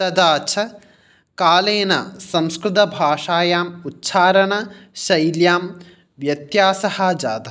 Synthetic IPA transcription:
tɐd̪aːt͡ʃʰɐ | kaːleːnɐ̰sɐ̃mskɾɪt̪̬ɐbʱaːʂaːjaːmutːʃʰaːɾɐɳɐʃɐjljaːm | ʋjɐt̪jaːsɐhɐd͡ʒa̰ːd̪ɐ

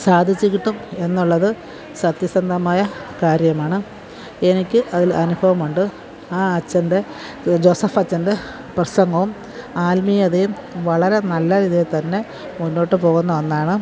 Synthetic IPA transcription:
saːd̪ʱit͡ɕːikʲːiʈːume̞nːuɭːɐðɨ | sɐt̪jɐsɐnd̪ʱɐmaːjɐkaːɾjɐmaːɳɨ | e̞nikʲːɨʔɐðilɐnubʱɐʋɐmuɳɖɨ | aːɐt͡ɕːɐnde̞ | d͡ʑo̞ːsɐfɐt͡ɕːɐnde̞ | prɐsɐŋɡɐʋum | aːlmijɐðejum | ʋɐɭɐɾe̞nɐlːɐɾiðijet̪ɐnːe̞ | munːo̞ːʈːɨpo̞ːɣunːɐʋɐnːaːɳɨ

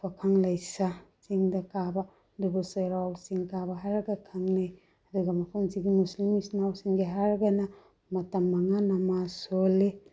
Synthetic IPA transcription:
pʰakʰaŋlajsat͡ʃiŋdɐkaba | dubusaɾawsiŋkabaɦaɾɐɡakʰaŋnaj | ɐduɡamɐpʰumziɡimuslimisnawsiŋɡiɦaɾɐɡɐna | mɐtamːaŋanamasole

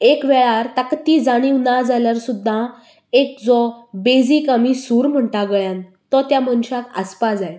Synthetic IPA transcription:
ekʋɛɭaɾt̪əkt̪id͡zaɽ̃iwnad͡zaljaɾsud̪ʱːã | ek̚d͡zɔbed͡zikəmisuːɾm̤əɳʈaɡəjãn | t̪ɔt̪jamənɕakəspad͡zaj

